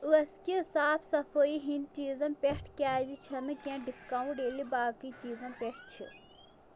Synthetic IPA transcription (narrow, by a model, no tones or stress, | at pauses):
uɐskiisaːpʰsɐpʰoːiɦint͡ʃiːzɐ̃npʲeʈʰkʲaːd͡ʒit͡ʃʰɐnɨkʲãɖiskãwɳʈeːlibaːkit͡ʃiːzɐ̃npʲeʈt͡ʃʰḭ